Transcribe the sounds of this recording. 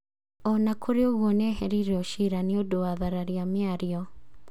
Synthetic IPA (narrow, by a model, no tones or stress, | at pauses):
ɔnakʰoɾeoɣwɔnɛɦɛɾiɾɛɔʃiɾaneodowaðaɾaɾiameaɾiɔ